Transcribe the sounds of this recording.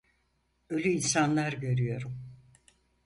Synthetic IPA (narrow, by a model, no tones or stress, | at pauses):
ø̞lʲyinsanlˠaɾɟø̞ɾyjo̞ɾum